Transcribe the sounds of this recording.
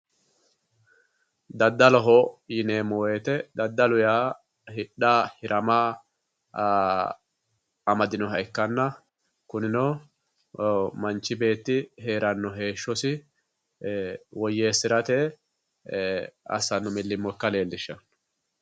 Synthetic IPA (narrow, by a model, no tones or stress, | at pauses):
d̪ɐd̪ːɐlɔɦɔjɪneːmoːwet̪ɛd̪ɐd̪ːɐlʊjaː | hɪɗahɪɾʔɐma | ɐmɐd̪ɪnɔɦɐjkːɐnːɐ | kʊnɪnɔ | mɐnt͡ʃːɪbe̞ːt̪ːɪhe̞ːɾɐnːɔɦe̞ːʃːɔsɪ | wɔjːeːsːɪɾɐt̪e | ɐ̰sɐnːɔmɪlːɪmːɔkːɐle̞ːld̪ɪʃːɐ